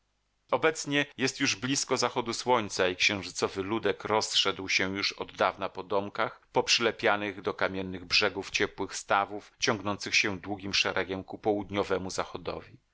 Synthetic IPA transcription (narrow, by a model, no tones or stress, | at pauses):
ɔbɛt̪sɲɛjɛst̪juʐblʲiskɔzaxɔd̪uswɔɲt̪saikɕɛ̃w̃ʐɘt̪sɔvɘlud̪ɛkɾɔsʂɛd̪wɕɛ̃juʂɔd̪ːavnapɔd̪ɔmkaxpɔpʂɘlɛpʲjanɘɣd̪ɔkamʲjɛnːɘɣbʐɛɡuft͡ɕɛpwɘxst̪avuft͡ɕɔŋɡnɔnt̪sɘxɕɛ̃d̪wuɡʲimʂɛɾʔɛɡʲɛmkupɔwud̪ɲɔvɛmuzaxɔd̪ɔ̰vʲi